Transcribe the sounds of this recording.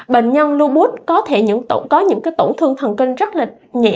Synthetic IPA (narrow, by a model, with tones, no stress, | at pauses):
ɓḛ˧˨ŋ̟ɲə˧nlu˧ɓu˦˥t̚kɔ˨˦t̪ʰe˧˩ɲɨ̰˧˥ŋt̪o̰˧˩ŋ͡mkɔ˨˦ɲɨ̰˧˥ŋkaː˨˦jt̪o̰˧˩ŋ͡mt̪ʰɨ˧əŋt̪ʰə˨˩nkï˧ŋ̟zə˦˥t̚laː˨˩ | ɲɛ̰˧˨